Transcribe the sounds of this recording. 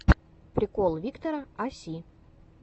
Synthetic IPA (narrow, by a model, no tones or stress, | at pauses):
prʲikolˠvʲikt̪oɾaɑsʲi